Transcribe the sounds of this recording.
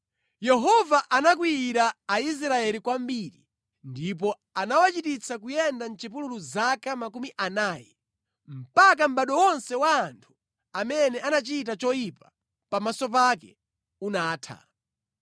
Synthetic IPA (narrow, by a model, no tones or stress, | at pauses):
jɛɦɔvaʔanak̬wiiɾaːis̬ɾaɛlikwambiɾi | ndip̬ɔ | anawat͡ʃitit͡sʰakujɛndan̩t͡ʃipululuzakamakumiʔanaːjɛ | m̩pak̬am̩ɓaɗɔwɔnsɛwaːntʰu̥ | amɛnɛanat͡ʃit̬at͡ʃɔjipḁ | pamasɔp̬akɛ | unaːtʰa̰